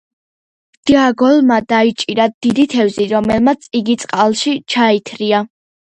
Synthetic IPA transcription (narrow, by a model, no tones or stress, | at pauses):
d̪̥iaɡɔlˠmad̪ait͡ʃʼiɾad̪̥id̪it̪ʰɛvziɾɔmɛlˠmat̪sʰiɡit̪sʼqʼalˠʃit͡ʃʰait̪ʰɾia